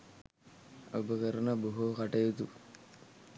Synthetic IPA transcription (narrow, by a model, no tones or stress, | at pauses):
obəkəɾənəboɦokaʈɐjut̪u